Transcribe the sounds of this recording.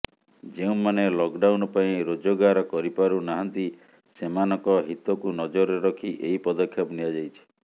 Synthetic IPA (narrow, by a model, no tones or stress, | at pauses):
d͡ʒeũmanelɔkɖawnɔpaĩɾod͡ʒoɡaɾɔkɔɾipaɾunaɦant̪i | semanɔ̃ŋkɔɦit̪ɔkunɔd͡ʒɔɾeɾɔkʰiʔeipɔd̪ɔkʰjɔpnijad͡ʒajt͡ʃʰi̥